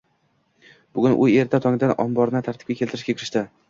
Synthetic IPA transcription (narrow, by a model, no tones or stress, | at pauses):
b̥ʊɡʲʊnʔʊe̞ɾt̪ʰat̪ʰɒŋɪd̪anɒ̰mbɒɾnɪt̪ʰaɾt̪ʰɪ̥p̚ʲakʲe̞lʲˠt̪ɪɾɪʃkʲakʲʰɪɾɪʃt̪ɪ